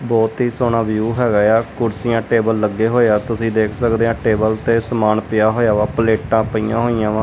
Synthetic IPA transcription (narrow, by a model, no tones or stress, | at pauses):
bɔːt̪ɦiːsoːɳãːʋjuːɦɛːɡaːjaːkʊɾsijãːʈeːbəlːəɡːeːɦoːeaːt̪ʊsĩːd̪eːkʰsəkd̪eːãːʈeːbəlt̪eːsəmaːnpɪjaːɦoːjaːʋaːpəleːʈãːpəijã̰ːɦoːijãːʋãː